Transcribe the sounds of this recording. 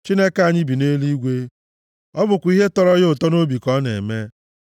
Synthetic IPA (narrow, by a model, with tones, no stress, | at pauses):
t͡ʃi˦ne˦ka˨ɲɪ˦bi˨ne˦li˦ɡʷe˦ | ɔ˦bʊ˨kʷi˦ɦe˦tɔ˦ɾɔ˦ɣʊ˨tɔ˦no˦bi˨kɔ˦nḛ˨me˦